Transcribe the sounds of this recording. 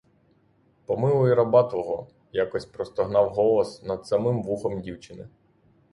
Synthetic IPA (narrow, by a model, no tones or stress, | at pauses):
pɔmɪlˠʊjiɾɐbɑt̪ʋɔɦɔ | jakɔsʲpɾɔst̪ɔɦnɑwɦɔlˠɔsnɐd̪sɐmɪmʋuxɔmdʲiwt͡ʃɪnɪ̰